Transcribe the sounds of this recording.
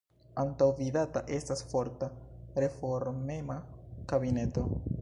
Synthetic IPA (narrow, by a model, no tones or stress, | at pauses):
antawvidataʔe̞stasfo̞ɾtaɾe̞fo̞ɾme̞makabine̞to̞